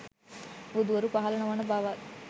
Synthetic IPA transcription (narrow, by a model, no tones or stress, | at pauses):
ʋud̪uʋɐɾupɐɦɐlɐnɐʋɐnɐbaːʋaː